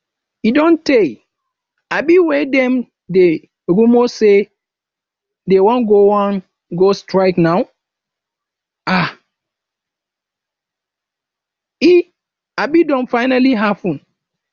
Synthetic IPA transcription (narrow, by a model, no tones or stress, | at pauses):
idɔ̃nte | abiwɛdɛ̃m | de | ɾumose | dewɔ̃nɡowãn | ɡostɹaɪknaw | a | i | abidɔ̃nfaɪnaliɦapɔ̃n